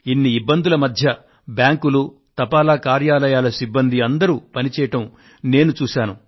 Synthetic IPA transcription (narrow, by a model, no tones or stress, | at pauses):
inːiibːɐnd̪ulɐmɐd̪ʱjɐ | bjaːŋkulu | t̪ɐpaːlaːkaːɾjaːlɐjaːlɐsibːɐnd̪iɐnd̪ɐɾuːpɐnit͡ʃɛːjɐʈɐm | ne̞ːnut͡ʃuːʃaːnu